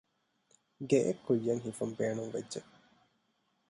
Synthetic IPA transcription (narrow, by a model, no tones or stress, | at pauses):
ɡeʔekʰːujːɐŋɦifumbeːnuŋʋedʒe